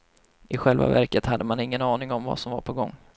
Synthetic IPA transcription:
ʔɪɧɛlva̰væɾkət̪had̪ːəmanɪŋːənɑːnɪŋɔmva̰sɔmvaɾpʰɔɡɔŋː

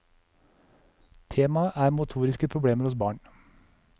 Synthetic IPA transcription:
t̪ʰeːmɑʔæːɾmʊt̪ʰuːɾɪskəpʰɾʊbɽeːməɾhʊsbɑːɳ

